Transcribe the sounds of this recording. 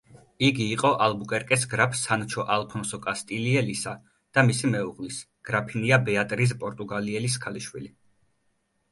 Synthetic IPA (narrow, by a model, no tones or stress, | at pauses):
iɡiːqʼɔʔalbukʼɛɾkʼɛsɡɾapʰsant͡ʃʰɔʔalˠpʰɔnsɔkʼast̪ʼiliɛlisa | d̪̥amisimɛuʁlis | ɡ̥ɾapʰiniabɛat̪ʼɾis̬pʼɔɾt̪ʼuɡaliɛlis̬kʰaliʃwḭli